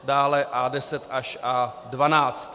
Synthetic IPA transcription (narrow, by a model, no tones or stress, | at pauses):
daːlɛʔadɛsɛt̪ʔaʃʔaːdvanaːt͡st̪